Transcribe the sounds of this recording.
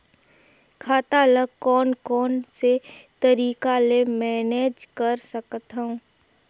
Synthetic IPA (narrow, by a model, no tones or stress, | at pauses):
kʰaːt̪aləɡkɔːnkɔːnset̪əɾiːkalemɛːneːd͡ʒkəɾsəkt̪ɦəũː